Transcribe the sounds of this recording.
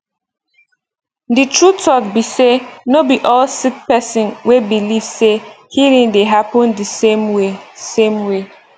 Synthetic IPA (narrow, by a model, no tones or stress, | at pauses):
ditɹutʰɔk̚bisenobiʔɔlsik̚pɛsɔ̃nwebilivse | hiɹĩŋdeɦapɔ̃ndisẽmwesẽmwe